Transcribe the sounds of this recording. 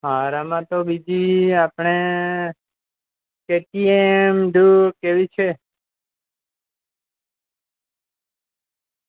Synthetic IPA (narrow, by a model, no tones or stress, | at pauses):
ɦaɾamãt̪obid͡ʒiapɳ̃e | keʈiemɖukeʋit͡ʃʰe